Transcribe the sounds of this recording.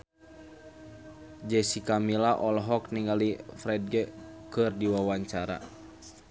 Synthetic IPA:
d͡ʒɛsikamilaʔɔlɦɔkniŋɡalifɾɛd̚ɡɛkɨrdiwawaɲt͡ʃaɾa̰

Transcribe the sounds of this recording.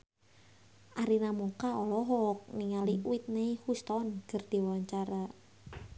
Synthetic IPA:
ʔaɾinamukaɔlɔɦɔk̚niŋaliuɪt̪̚nejhust̪ɔnkərd̪̥i̤waɲt͡ʃaɾa

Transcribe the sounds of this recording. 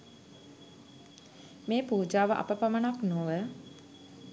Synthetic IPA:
meːpuːd͡ʒaːʋəʔa̰pəpamənaknoʋə

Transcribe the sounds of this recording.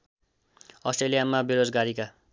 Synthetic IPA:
ʌsʈrelijamabeɾod͡zɡaɾika

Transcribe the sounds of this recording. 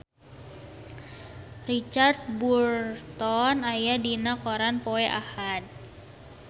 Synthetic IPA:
rit͡ʃart̪̚burt̪ɔnajadinakoɾanpoɛʔahad̪̚

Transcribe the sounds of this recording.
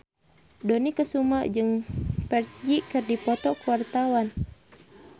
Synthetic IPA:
dɔnikəsuməd͡ʒɨŋpərd͡ʒikɨrdipɔt̪ɔkuwart̪awan

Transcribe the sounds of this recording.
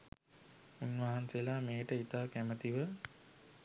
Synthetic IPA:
unʋaɦanseəlaːmeːʈəit̪aːkæmət̪iʋə

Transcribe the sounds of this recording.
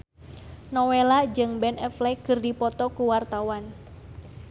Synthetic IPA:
nɔwelad͡ʒɨŋbɛnɛflɛkɨrdipɔt̪ɔkuwart̪awan

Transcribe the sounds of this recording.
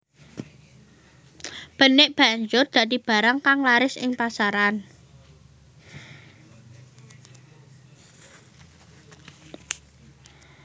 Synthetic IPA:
b̥ə̤nɪʔb̥a̤ɲd͡ʒʊrd̪̥ä̤d̪i̤b̥a̤ɾaŋkaŋlaɾɪsɪ̰ŋpasaɾan

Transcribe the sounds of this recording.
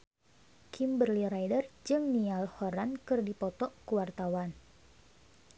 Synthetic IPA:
kʰimbərliɾajdərd͡ʒɨŋnialhɔɾankɨrdipɔt̪ɔʔkəwart̪awan

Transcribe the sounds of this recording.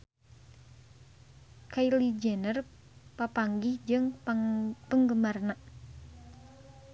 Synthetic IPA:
kailid͡ʒɛnər | papaŋɡɪhd͡ʒɨŋ | pəŋɡəmarnaʔ

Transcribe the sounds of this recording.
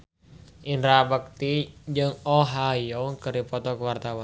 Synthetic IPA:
ʔinɾabək̚t̪id͡ʒɨŋɔɦajɔŋkɨrɾipɔt̪ɔkwart̪awan

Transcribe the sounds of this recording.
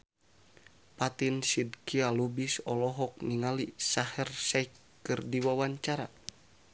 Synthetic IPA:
pat̪insid̚kialubisɔlɔɦɔk̚niŋalisahɛrsaikː | ɨrdiwawaɲt͡ʃaɾa

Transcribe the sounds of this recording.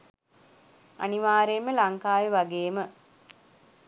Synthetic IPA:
a̰niʋaːɾeːməlaŋkaːjəʋaɡeːmə

